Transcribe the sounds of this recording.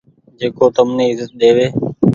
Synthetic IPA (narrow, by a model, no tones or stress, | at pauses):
d͡ʒeːkoːt̪əmneːɪzət̪̚ɗeːʋeː